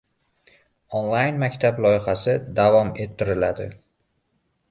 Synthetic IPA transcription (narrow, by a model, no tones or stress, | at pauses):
onlˠajnmakʲt̪ʰablˠɒjɪχasɪd̪avɒme̞t̪ʰːɪɾɪlad̪ɪ